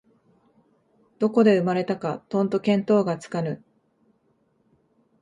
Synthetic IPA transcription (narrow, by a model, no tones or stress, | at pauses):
d̪̥o̞ko̞d̪e̞ɯ̟maɾe̞t̪akat̪õ̞nt̪o̞kẽ̞nt̪o̞ːɡat͡sɨ̥kanɯ̟